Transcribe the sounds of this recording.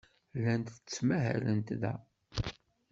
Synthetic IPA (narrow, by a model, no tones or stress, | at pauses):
lænt̪t͡sːmæɦæ̰lənt̪ðæ̰